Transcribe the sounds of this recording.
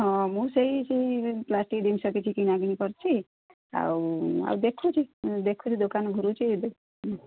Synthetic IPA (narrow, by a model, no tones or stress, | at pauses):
ʌ̃mũsʌjsijplasʈid̪imsʌket͡sʰikinaɡinipʌɾt͡sʰi | a̰a̰d̪ekʰːut͡sʰid̪ekʰːut͡sʰid̪okanɡʱuɾut͡si